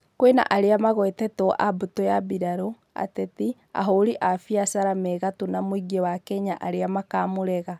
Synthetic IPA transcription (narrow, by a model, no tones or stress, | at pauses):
kwena̰ʔaɾeamaɣwɛtɛtɔʔabutojabiɾaɾo | a̰tɛti | a̰ɦoɾiʔafiasaɾamɛɣatonamoiɡewakɛɲaʔaɾeamakamoɾɛɣa